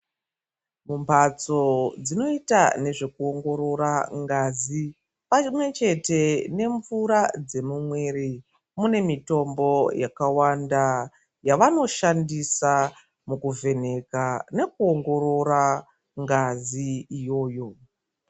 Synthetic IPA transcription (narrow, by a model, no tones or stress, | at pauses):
mumpat͡so̞d͡zino̞itane̞ʐe̞kuo̞ŋɡo̞ɾo̞ɾaŋɡazi | pamwe̞t͡ʃe̞te̞ne̞ɱvuɾad͡ze̞mumwe̞ɾi | mune̞mito̞mbo̞jakawanda | jaʋano̞ʃandisa | mukuve̞ne̞kane̞k̚uo̞ŋɡo̞ɾo̞ɾa | ŋɡaziːjo̞ːjo̞